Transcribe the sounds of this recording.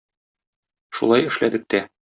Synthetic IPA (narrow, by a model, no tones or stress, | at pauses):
ʃṵlˠɑjɘ̆ʃlæd̪ɘ̆k̚t̪æ